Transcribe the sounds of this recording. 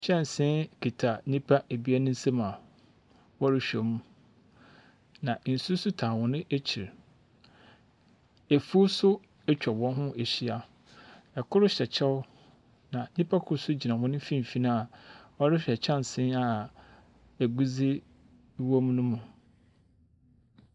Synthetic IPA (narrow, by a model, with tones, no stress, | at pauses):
ɕɛ̃˦˨n˨sɪ̃˦nkʰi˨tʰa˨nĩ˦pʰa˦e˨bi˦a˦nʊ̃˦n̩˦se˦mã˨ | wɔ˦ɾɪ˦ɕᶣo˨mũ˦ | nã˨n̩˨su˦sʊ˦tʰãː˨wʊ̃˨nɪ̃˦ʔe˦t͡ɕʰi˨ɾ | e˨fu˦sʊ˦ | ɛ˦t͡ɕᶣɔ˨bɔ̃˦n˦ɦʊ̃˦ʔe˨ɕi˦a˦ | ɛ˨kʰʊ˦ɾʊ˦ɕɛ˨t͡ɕʰɛ˦wʊ˦ | nã˨ɲĩ˦pʰa˦kʰʊ˨sʊ˦d͡ʑi˨nã˨wʊ̃˦nɪ̃˦fĩ˦m˨fi˦nã˦a˨ɔ˦ɾɪ˦ɕᶣɛ˨t͡ɕʰã˦n˨sɪ̃˦na˨ | e˨ɡu˦d͡zɪ˦ | wo˦m˦nʊ̃˦mũ˨